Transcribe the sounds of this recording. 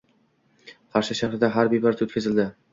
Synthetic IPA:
qʰɑɾʃɪʃaχɾɪd̪aɦaɾbebaɾt̪ʰɵt̪kʰʲɪzɪld̪ɪ

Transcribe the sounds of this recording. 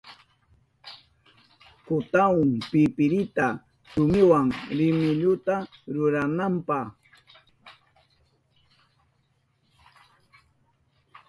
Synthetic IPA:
kʊt̪aʊŋpɪpɪɾɪt̪a | sʊmɪwaŋɾɪmɪʎʊt̪aɾʊɾanampɑχ

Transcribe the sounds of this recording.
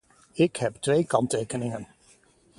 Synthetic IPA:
ɪkɦɛptʋejkɑntejkənɪŋən

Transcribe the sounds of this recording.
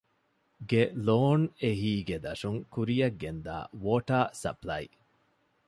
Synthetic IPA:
ɡeloːneɦiːɡed̪ɐʂuŋkuɾijɐɡːend̪a̰ːʋoːʈaːsɐ̰plɐḭ

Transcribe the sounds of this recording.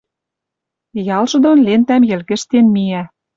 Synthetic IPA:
jɑlʒɤ̆d̪onlent̪æmjɘ̆lɣɘ̆ʃt̪enmiæ

